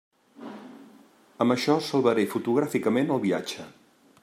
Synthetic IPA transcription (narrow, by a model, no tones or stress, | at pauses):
əməʃɔsəlˠβəɾefut̪uɣ̞ɾafikəmenəlˠβia̰d͡ʒə